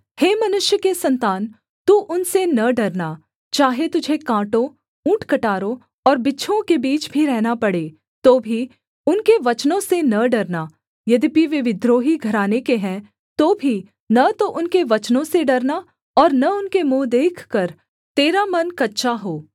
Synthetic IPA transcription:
heːmɐnʊʃjəkesɐ̃nt̪aːn | t̪uːʔʊnsenɐɖɐɾnaː | t͡ʃaːɦet̪ʊd͡ʒʱekãːʈõ | ũːʈʰkɐʈaːɾõ | ɔːɾbɪtːʃʰõkebiːt͡ʃbʱiɾɛɦnapɐɽeː | t̪oːbʱi | ʊnkeʋɐt͡ʃnõsenɐɖɐɾnaː | jɐd̪ipiʋeʋɪd̪ɾoːɦiɡʱɐɾaːnekeɦɛ̃ː | t̪oːbʱi | nɐt̪oʔʊnkeʋɐt͡ʃnõseɖɐɾna | ɔːɾnɐʊnkemõːd̪eːkʰkɐɾ | t̪eːɾamɐnkɐtːʃʰaɦoː

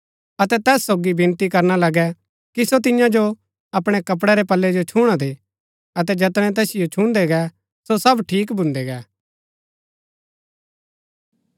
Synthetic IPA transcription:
ɐt̪ɛt̪ɛːsːoːɡibɪ̃nt̪ikɐɾnalɐɡɛ | kisot̪̬ɪjãd͡ʒo | ɐpɽ̃ɛkɐp̬ɽɛɾepɐlːɛd͡ʒot͡ʃʰuːɽ̃ad̪eː | ɐt̪ɛd͡ʒɐt̪ɽ̃ɛ̃t̪̬ɛːsɪjot͡ʃʰũnd̪ɛɡɛ | sosɐbʈʰiːkbʊ̃nd̪ɛɡɛː

